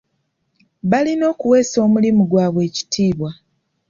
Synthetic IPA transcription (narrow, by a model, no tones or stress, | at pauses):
βalino̞ːkuwe̞ːso̞ːmulimuɡwaːβwe̞ːci̥tʰiːβwa